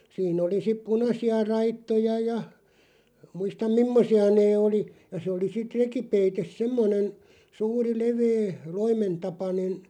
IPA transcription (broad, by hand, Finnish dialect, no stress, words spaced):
siːn oli sip punɑsiɑ rɑitːojɑ jɑ muistɑm mimːosiɑ neː oli jɑ se oli sit rekipeites semːonen suːri leʋeː loimentɑpɑnen̞